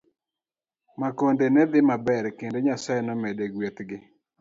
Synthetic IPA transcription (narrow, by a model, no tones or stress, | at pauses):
makondenɛd̪ɪmabɛɾkendeɲasajɛnɔmedeɡwet̪ɡɪ